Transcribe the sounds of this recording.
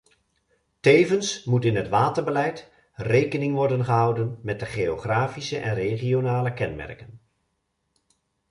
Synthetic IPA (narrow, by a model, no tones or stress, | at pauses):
tejvənsmutɪnɦətʋaːtəɹbəlɛjt | rejkənɪŋʋɔɹdənχəɦɑwdənmɛt̚dəχejoχraːfisəʔɛ̰nreχionaːləkɛnmɛ̰rkən